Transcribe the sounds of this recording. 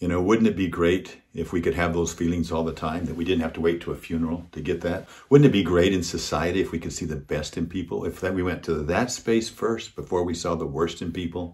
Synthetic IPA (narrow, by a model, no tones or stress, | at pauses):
jɨñoʊwʊdⁿn̩ɨt̚b̥iɡɹeɪɾ | ɪfwikɨd̚ɨvðoʊz̥filˠɪ̃ŋzɔlˠðətʰãɪ̃mðɨt̚widɪdⁿn̩thæftəweɪtʰəːfjʉnə˞l̩ˠtʰɨɡɛt̪̚ðɨt̚ | wʊdⁿn̩ɨt̚b̥iɡɹeɪɾɨ̃nsɨsaɪɨɾiɨfwikɨd̥siðɨbɛstɨ̃npʰipl̩ˠɪfðɨt̚wiwɛ̃ntʰɨðɨtspeɪsfɜ˞st̚b̥əfɔɹwisɔðəwɜ˞stɨ̃npipl̩ˠ